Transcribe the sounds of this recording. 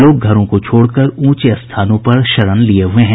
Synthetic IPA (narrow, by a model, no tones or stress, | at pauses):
loːɡ̚ɡʱɐɾõkot͡ʃʰoːɽkɐɾũːt͡ʃeɐst̪ʰaːnõpɐɾʃɐɾənlieɦʊeɦɛ̃ː